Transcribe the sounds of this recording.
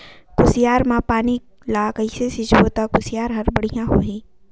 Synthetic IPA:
kʊsɪjaːɾmãːpaːni | lakəɪsesɪt͡ʃɦoːt̪akʊsɪjaːɾɦɐɾbəɽ̤ijãɦoːɦĩː

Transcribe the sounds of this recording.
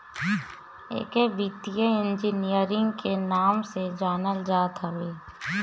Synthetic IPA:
ḛːkeʋit̪ijəɪ̃nd͡ʒinijəɾɪ̃ŋɡkʰenaːmsed͡ʒaːnəld͡ʒaːt̪ɦəʋeː

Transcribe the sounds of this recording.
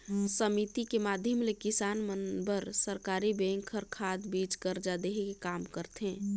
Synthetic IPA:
səmit̪ikemaːd̪ʱjəmlekisaːnmənbəɾsəɾkaːɾibẽŋkʰːəɾkʰad̪bit͡ʃkəɾd͡ʒad̪eɦekekaːmkəɾt̪ɦẽː

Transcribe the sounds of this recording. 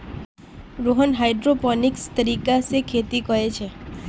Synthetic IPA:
ɾoɦənɦajɖɾopɔnikst̪əɾikasekʰet̪ikəɾet͡ʃʰe

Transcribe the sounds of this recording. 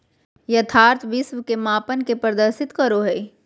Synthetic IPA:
jɐt̪ʰaːɾt̪ʰʋɪsʋkemaːpənkepɾəd̪əɾsɪt̪kəɾoɦɛː

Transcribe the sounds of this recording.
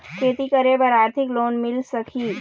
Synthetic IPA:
kʰeːt̪ikɐɾebɐɾaːɾt̪ʰɪkloːnmɪlsɐkʰiː

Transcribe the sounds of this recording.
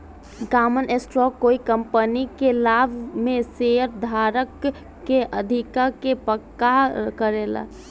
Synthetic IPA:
ɡaːmənesʈɾɔːkːoːikəmpənikelaːbʱmẽseəɾd̪ʱaːɾəkː | eʔəd̪ʱikakepəkːakəɾeːla̰

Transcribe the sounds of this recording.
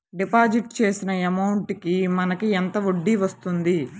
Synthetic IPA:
ɖipaːd͡ʒiʈ̚t͡ʃe̞ːsinɐemɐwuɳʈkimɐnɐkient̪ɐʋoɖːiʋɐst̪und̪i

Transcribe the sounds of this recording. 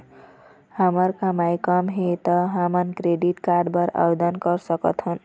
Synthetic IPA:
hʌmʌɾkamajkʌmɦet̪ʌɦamʌnkɾeɖiʈkaɾɖbʌɾa̰bed̪ʌnkʌɾsʌkʌ̰t̪ʰɦun

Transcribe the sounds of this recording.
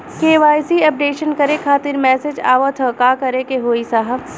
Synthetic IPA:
keːʋaːjsiɐp̚ɖeːʃənkɐɾekʰaːt̪iɾmɛːsed͡ʒa̰ːʋət̪ʰəkaːkɐɾekeɦoːisaɦəb

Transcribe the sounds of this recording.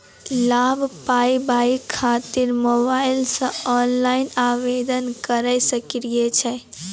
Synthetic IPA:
labʱpaibaikʰat̪iɾmobaɪlsə̃ɔnlaɪnaʋed̪ənkəɾəɪsəkɾiet͡ʃʰɛ

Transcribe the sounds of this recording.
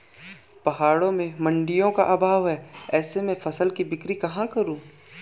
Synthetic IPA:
pɐɦaːɽõmẽmɐ̃ɳɖɪjõkaʔɐbʱaːʋɦɛːɛːsemẽfɐsəlkibɪkɾikɐɦãkɐɾũː

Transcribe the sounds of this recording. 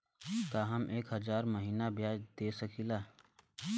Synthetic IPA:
k̪aːɦɐmʔeːkɦəzaːɾməɦiːnabjaːd͡ʒd̪eːsəkʰiːlaː

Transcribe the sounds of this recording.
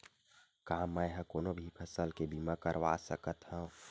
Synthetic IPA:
kamːãjɦə̃koːnobʱipʰəsəlkebimakəɾʋa̰səkət̪hə̃

